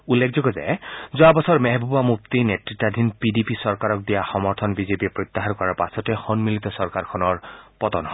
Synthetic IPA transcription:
ulːek̚ʰzɔɡɔzɛ̰zʊabɔsɔɹmɛɦbʱɔbamup̚t̪inetɹitːad̪ʱinpidipisɔɹkaɹɔk̚dijaxɔmɔɹt̪ʰɔnbizepiɛpɹɔt̪ːaɦankɔɹaɹpasɔtɛxɔnmilit̪ɔsɔɹkaɹkʰɔnɔɹpɔtɔnɦɔ

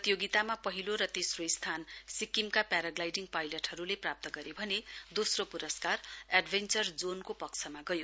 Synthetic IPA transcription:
ʌt̪ijoɡit̪amapʌɦiloɾʌt̪esroist̪ʰansikimkapaɾaɡlajɖiŋpajlʌʈhʌɾuleprap̚t̪ʌɡʌɾebʱʌned̪osropuɾʌskaraɖbʱent͡sʌrd͡zonkopʌkt͡sʰʌmaɡʌjo

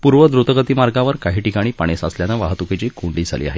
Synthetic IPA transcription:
puɾʋəd̪ɾut̪əɡət̪iːmaɾɡaʋəɾkaɦiːʈikaɽ̃iːpaɽ̃esa̰sljanaʋaɦt̪uket͡ɕiːkuɳɖliːd͡zʱa̰lḭːa̰ɦe

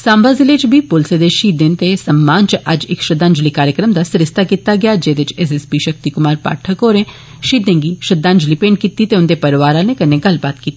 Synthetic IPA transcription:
sãːmbaːzɪleːt͡ʃbʱiːpʊlseːd̪eʃiːd̪ent̪esəmːaːnt͡ʃəʔɐd͡ʒɪkʃəd̪ãːɲd͡ʒliːkaːɾjəkɾəmd̪aːsɪɾɪst̪aːkiːt̪aːɡɪjaːd͡ʒeːd̪ɪt͡ʃɛːs̬ɛspiːʃək̚t̪ikʊmaːɾpa̰ːʈʰəkoːɾẽː | ʃiːd̪ẽːŋɡiːʃəd̪ãːnd͡ʒliːpẽːɳɖ̚kiːt̪iːt̪eʊnd̪eːpəɾʋaːɾãnẽkɐneːɡəlbaːt̪kiːt̪ːe̥

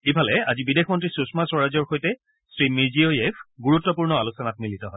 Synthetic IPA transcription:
ibʱalɛazibidexmɔntɹisusmaswɔɹazɔɹxojtɛ | sɹimiziojepʰɡuɹutːɔpuɹnɔalusɔnat̚militɔɦɔj

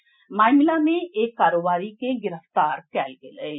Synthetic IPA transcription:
maːjmɪlamẽʔeːkːaːɾoːbaːɾikeɡɪɾəft̪aːɾkɛːlɡele

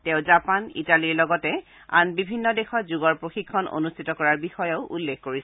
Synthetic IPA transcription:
tɛ̃ʊ̃zapanḭtaliɹlɔɡɔtɛ | a̰nbibʱinːɔdexɔtzuɡɔɹpɹoxikʰːɔnʔo̰nustʰitɔkɔɹaɹbixɔjɔʊʔulːekkoɹisɛ

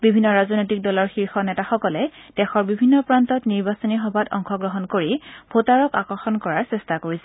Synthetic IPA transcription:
bibʱinːɔɹazɔnojtik̚dɔlɔɹxiɹxɔnɛtaxɔkɔlɛd̥ɛxɔɹbibʱinːɔpɹantɔtniɹbasɔnixɔbʱatɔ̰ŋxɔɡɹɔɦɔnkoɹibʱotaɹɔkakɔɹxɔnkɔɹaɹsɛstakoɹisɛ

